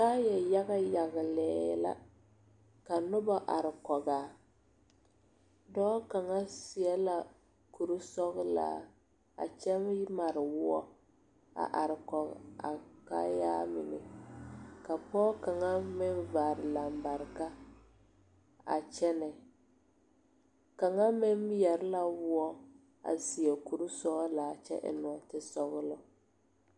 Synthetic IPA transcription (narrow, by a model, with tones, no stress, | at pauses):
kaː˦jɛ˨ja˦ɣa˦ja˨ɣɪ˨lɛ̰ː˨˦˨la̰˦ | ka˨nʊ˦ba˦ʔa˨ɾɪ˨kɔ˨ɡaː˨ | dɔː˦ka˨ŋa˦sɪ˨ɛ˦la˨ | ku˨ɾu˦sɔ˦ɣla̰ː˨ | a̰˨t͡ʃɛ˦m˦jɪ˦ma˨ɾɪ˨wʊ˦ɔ˦ | a̰˨ʔa˨ɾɪ˨kɔ˨ɣ̰a̰˨ka˦jaː˦mɪ̰˨nɪ̰˨ | ka˨pɔː˦ka˨ŋa˦mɪ˦n˦vaː˨ɾɪ˨la˨mba˨ɾka˦ | a̰˨t͡ʃɛ˦nɛ˨ | ka˨ŋa˦mɪ˦m˦jɛ˨ɾɪ˦la˦wʊ˦ɔ˦ | a̰˨si˨ɛ˨ku˨ɾu˦sɔ˦ɣlaː˨t͡ʃɛ̰˦ʔɪ̰˨nɔ˨tɪ˦sɔ˦ɣʊ˦lɔ˦